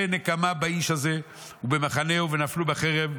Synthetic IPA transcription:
enekamabaiʃaze̞ | ube̞maχanewve̞naflubeχeʁev

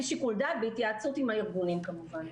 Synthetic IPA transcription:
ʃikuld̪abit̪ijat͡sot̪imaiʁɡunimkamuvan

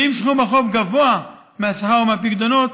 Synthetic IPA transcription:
imʃχumaχovɡavo̞a | measaħaʁomeap̬iɡd̪onot̪

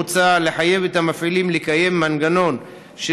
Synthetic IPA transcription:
ut͡sale̞ħaje̞vethamafʕilimlekaje̞mːanɡano̞n | ʃe

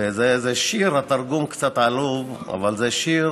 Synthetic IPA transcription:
zezeʃiɾhat̪aɾɡumkt͡sat̪ʕaluva̰valzeʃi

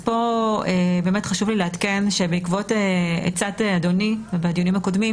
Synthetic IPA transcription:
po̞ebeːmetχaʃuvlileatke̞nʃebeikvo̞teḛt͡sateadonibad̪ijunimhako̞dmim

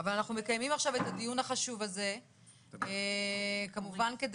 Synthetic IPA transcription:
avalanaχnume̞kajemimaχʃave̞tad̪ijunhaχaʃuvaze̞ | kamuvanked

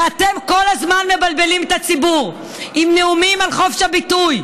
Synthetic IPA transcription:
at̪e̞mko̞lazmanme̞balbe̞limet̪at͡sibuʁ | imneumimalχo̞fe̥ʃhabit̪uj

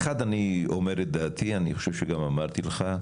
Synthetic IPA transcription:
χad̪aniomeʁled̪aːt̪ianiχoʃevʃeɡamamaʁt̪ileχa

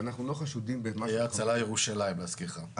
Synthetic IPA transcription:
anaχnuloχaʃud̪imbetmajaat͡salajeʁuʃalaimleaskiχa

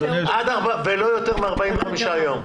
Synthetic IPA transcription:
ad̪aʁbavelo̞jo̞t̪eʁmeaʁbaimveχamiʃajo̞m

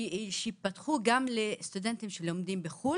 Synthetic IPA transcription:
ʃipat̪χuɡamle̞st̪udent̪imʃelo̞md̪imbeχu

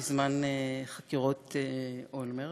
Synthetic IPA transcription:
zmaneχakiʁoteolmeʁ

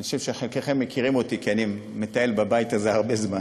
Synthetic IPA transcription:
ioʃevʃeħelkeχe̞mːekiʁimot̪ikianimːet̪ae̞lbabajit̪azehaʁbezman

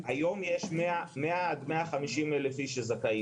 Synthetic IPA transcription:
hajo̞mjeʃmeameaad̪meaχamiʃimelefiʃezakai

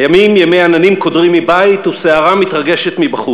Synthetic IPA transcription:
jamimjeme̞jananimko̞dʁimːibait̪useaʁamit̪ʁaɡe̞ʃet̪mibaχu

